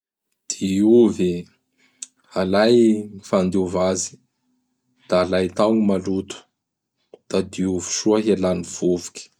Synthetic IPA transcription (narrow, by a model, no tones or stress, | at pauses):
d̪̥iuvi | alajifand̪iuvazi̥ | d̪̥aːlajt̪awnimalut̪u̥ | d̪̥ad̪iuvi̥ʃuaɦelaniv̥uvu̥kʲi̥